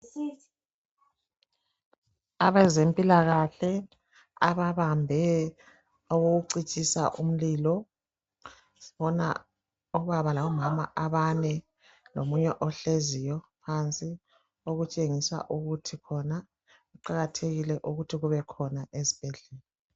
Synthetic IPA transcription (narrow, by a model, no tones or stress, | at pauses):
aβɛzempʼilaɣaɬɛ | a̰βaβambʱɛ | ɔɣoɣuǀit͡ʃʼisaʔum̩liːlɔ | si̥βɔna̰ | ɔβaβalaβɔmama̰ʔaβanɛ | lomuɲɛʔɔɬezijɔpʰant͡sʼi | oɣut͡ʃʼeŋisa̰ʔuɣutʰikʰɔna | ɣuǃaɣatʰeɣilɛʔuɣutʰiɣuβɛkʰɔnaʔezib̥ʱɛɮɛːlɛ